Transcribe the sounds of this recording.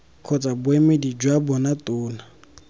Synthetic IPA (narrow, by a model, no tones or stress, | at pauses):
kʰɔt͡sʼabwemɪdid͡ʒwabɔnatʼʊːna